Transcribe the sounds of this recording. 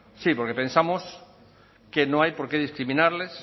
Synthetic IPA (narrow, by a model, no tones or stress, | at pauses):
sipoɾkepẽnsamos | kenõŋajpoɾkeðiskɾimĩnaɾles